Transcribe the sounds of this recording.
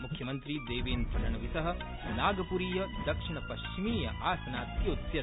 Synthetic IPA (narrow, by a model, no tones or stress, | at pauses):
mukʰjɐmɐnt̪ɾid̪eːʋeːnpɾɐʈɐɳɐʋisɐɦɐ̆ | naːɡɐpuːɾiːjɐd̪ɐkʂiɳɐpɐʃt͡ʃimiːjɐ̰ʔaːsɐnaːt̪joːt̪jɐ